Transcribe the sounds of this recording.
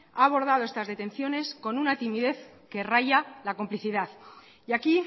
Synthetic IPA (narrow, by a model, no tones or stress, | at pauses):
aːβo̞ɾð̞að̞o̞e̞st̪azðe̞t̪ẽ̞nθjo̞ne̞sko̞nunat̪imiðe̞θke̞rajalako̞mpliθiðaθ | jaki